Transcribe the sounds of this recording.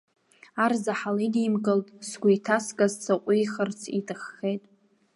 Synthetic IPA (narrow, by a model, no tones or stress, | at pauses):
arzaħalidimkʼɨltʼsɡʷʊitʰaskʼazt͡sʰaqʷʼʊjχərt͡sʰitʰʼɨχːejtʼ